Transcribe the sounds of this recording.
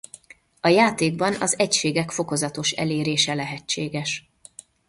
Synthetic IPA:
ɒjaːt̪eːɡbɒnɒzɛcʃeːɡɛkfo̞ko̞zɒt̪o̞ʃɛ̰leːɾeːʃɛlɛɦɛt͡ʃt͡ʃːeːɡɛʃ

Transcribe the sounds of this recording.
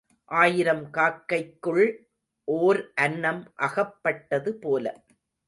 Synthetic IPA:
ʔaːjɪɾɐmkaːkːɐɪkːɯɭ | ʔoːɾʔɐnːɐmʔɐɣɐpːɐʈːɐðɯpoːlɐ̰

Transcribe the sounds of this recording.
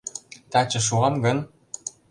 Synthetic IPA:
t̪ɑt͡ɕɤ̆ʃ̬uɑmɡɤ̆n

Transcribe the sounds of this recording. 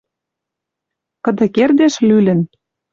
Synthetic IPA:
kɤ̆d̪ɤ̆kerd̪eʃlylɘ̆n

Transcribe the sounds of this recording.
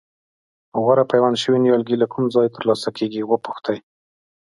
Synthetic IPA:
ɣaɾapajwanʃəwinjɑlɡilakʰumzɑjt̪əɾlɑsakʰeɡiwəpʊ̥xt̪aj

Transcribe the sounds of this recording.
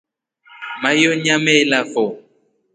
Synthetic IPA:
majoɲãmɛlafɔ

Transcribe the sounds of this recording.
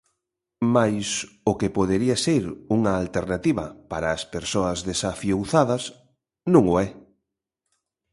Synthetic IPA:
majsʊkepoð̞eɾiaseɾuŋɐːlt̪eɾnat̪iβɐ̰paɾaːspeɾsoɐzðesafjowθaðɐs | nũŋʊɛ

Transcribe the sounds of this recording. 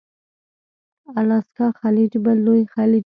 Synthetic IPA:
alɑskɑxalid͡ʒbalːojxali

